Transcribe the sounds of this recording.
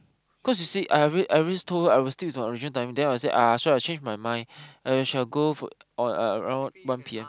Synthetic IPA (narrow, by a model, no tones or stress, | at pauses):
kʰɔs̬jusiʔaɹiʔaɹilistʰoaɪwistewitmãɪɹid͡ʒĩntãɪ̃mdɛ̃naɪwɔs̬eʔasoat͡ʃẽnd͡ʒmajmãɪ̃naʃalɡofɔ̰ɔ̃əɹã̰ʊ̃nwãnpʰiɛ̃m